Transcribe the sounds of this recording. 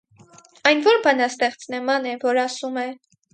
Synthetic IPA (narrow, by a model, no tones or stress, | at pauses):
ɑjnvɔɾbɑnɑst̪ɛχt͡snəmɑnɛvɔɾɑsumɛ